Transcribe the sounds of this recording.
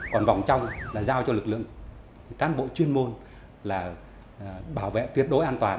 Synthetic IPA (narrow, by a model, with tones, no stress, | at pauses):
kɔ˨˩nva˨˩wŋ͡mt͡ɕa˧wŋ͡mlaː˨˩zaː˧wt͡ɕɔ˧lɨ˨˩k̚lɨ̰˧˨əŋ | kaː˨˦nɓo̰˧˨t͡ɕwi˧ənmo˧n | laː˨˩ | ɓaː˧˩wvḛ˧˨t̪wi˧˩ət̚ɗo˨˦jʔaː˧nt̪waː˨˩n